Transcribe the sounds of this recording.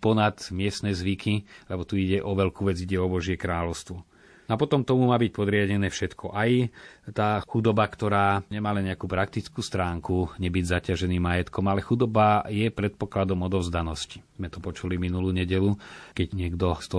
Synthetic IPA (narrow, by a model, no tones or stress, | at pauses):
pɔnat̪mɪɛst̪nɛːzʋikʰilɛbɔt̪uiɟɛʔɔʋɛlkuːʋɛd͡ziɟɛɔbɔʒɪɛkɾaːlɔʊst̪ʋɔ | napɔt̪ɔmt̪ɔmumaːbic̚pɔd̪ɾɪaɟɛnɛːfʃɛt̪kʰɔʔajt̪aːxud̪ɔbakt̪ɔɾaːɲɛmaːlɛnɲɛakuːpɾak̚t̪it͡skuːst̪ɾaːŋkuɲɛbiɟzacaʒɛniːmːajɛt̪kɔmalɛxud̪ɔbajɛpɾɛt̪̚pɔklad̪ɔmɔd̪ɔʊzd̪anɔsci̥zmɛt̪ɔpɔt͡ʃuliminuluːɲɛɟɛlukɛɟɲɪɛɡd̪ɔst̪ɔ